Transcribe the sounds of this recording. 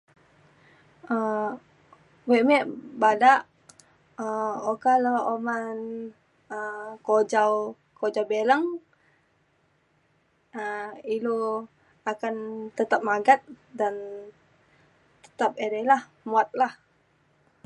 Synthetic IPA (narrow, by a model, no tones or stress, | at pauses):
ə | wemɛʔbadaʔ | əokaləoman | əkod͡ʒaw | kod͡ʒawbeləŋ | əilo | akant̪ət̪ap̚maɡat̪̚dan | t̪ə̥t̪ap̚edelah | muat̪̚lah